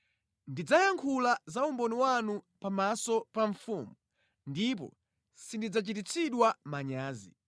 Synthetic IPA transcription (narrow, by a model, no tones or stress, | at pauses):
ndid͡zajaŋkʰulazaumbɔniwanupamasɔpaɱfuːmu | ndip̬ɔ̰ | sindid͡zat͡ʃitit͡sʰiɗwamaɲaːzḭ